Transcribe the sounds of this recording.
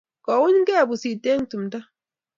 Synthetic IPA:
kɔ˨wʊ˦ɲ˦ɡɛ˦˨bʊ˨si˨te˦ŋtu˨mda˦

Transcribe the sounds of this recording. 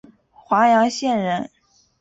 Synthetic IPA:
xwa˧˥jɑ˧˥ŋɕjɛ˥˩nɻə˧˥n

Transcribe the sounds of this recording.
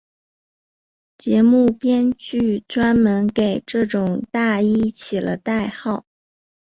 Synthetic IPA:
t͡ɕjɛ˧˥mu˥˩pjɛ˥nt͡ɕy˥˩ʈ͡ʂwa˥nmə˧˥nke˨˩ɪʈ͡ʂɤ˥˩ʈ͡ʂʊ˨˩ŋt̪a˥˩i˥˩t͡ɕʰi˨˩lə̰˦t̪a˥˧ɪxɑ˥˩ʊ

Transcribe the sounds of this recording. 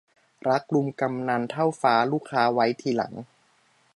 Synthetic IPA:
ɾa˦˥k̚lu˧mka˧mna˧nt̪ʰa˥˩wfaː˦˥luː˥˩kʰːaː˦˥wa˦˥jt̪ʰiː˧la̰˨˩˦ŋ

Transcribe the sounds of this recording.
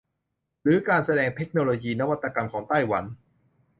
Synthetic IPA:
ɾɯː˨˦kaː˧nsa˧dɛː˧ŋt̪ʰe˦˥k̚noː˧loː˧jiː˧na˦˥wa˧t̪ːa˧ka˧mkʰɔː˩˦ŋt̪a˥˩jwa˩˦n

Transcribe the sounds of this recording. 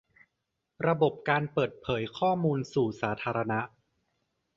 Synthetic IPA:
ɾa˧bo˨˩p̚kaː˧npɤː˨˩t̪̚pʰɤː˩˦jkʰɔː˥˩muː˧nsuː˨˩saː˩˦t̪ʰaː˧ɾa˧na˦˥ʔ

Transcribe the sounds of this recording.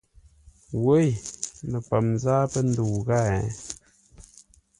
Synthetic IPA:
wo˦jnə˨pa˨mzaː˦pə˦n˦du˨ɣa˦˨˦

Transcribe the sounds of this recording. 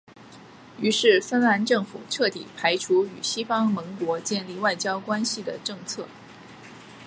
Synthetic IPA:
y˧˥ʂɻ̩˥˩fə˥nla˧˥nʈ͡ʂɤ˥˩ŋfṵ˨˩ʈ͡ʂʰɤ˥˩t̪ḭ˨˩pʰa˧˥ɪʈ͡ʂʰu˧˥y˨˩ɕi˥fɑ˥ŋmə˧˥ŋkwɔ˧˥t͡ɕjɛ˥˧nli˥˧wa˥˩ɪt͡ɕjɑ˥ʊkwa˥nɕi˨d̪ə̰˩ʈ͡ʂɤ˥˧ŋt͡sʰɤ˥˩

